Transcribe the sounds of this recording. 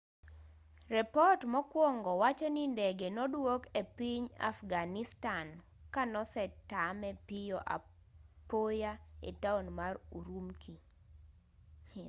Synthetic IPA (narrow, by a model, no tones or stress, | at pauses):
rɛpɔtmɔkwɔŋɡɔwat͡ʃɔnindɛɡenɔdwokepiɲa̰fɡanistan | kanɔsɛtamɛpijɔʔa̰ | pojaḛtaonmaɾuɾumki